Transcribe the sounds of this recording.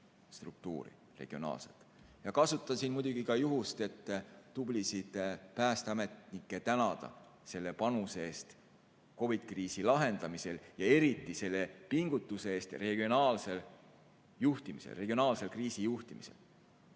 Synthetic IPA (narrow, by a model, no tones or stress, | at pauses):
st̪ruk̚t̪ṵːɾḭ | re̞̰ɡ̥io̞nɑ̰ːlse̞̰t̪ˑ | jɑkɑsut̪ːˑɑsiːnmujd̪uɡ̥ikɑjuɦust̪e̞t̪ːub̥lisid̪̥pæːst̪eɑme̞t̪nikːˑe̞t̪ænɑd̪̥ɑ̰ | se̞lːe̞pɑnuseeːst̪ | ko̞vid̪̥̚kriːsilɑɦe̞nd̪̥ɑmise̞ljɑe̞ɾit̪ːˑise̞lːe̞piŋɡ̥ut̪ːˑuse̞eːst̪re̞ɡ̥io̞nɑːlsel | juht̪imisḛlre̞ɡio̞nɑːlse̞lkriːsijuht̪imise̞̰l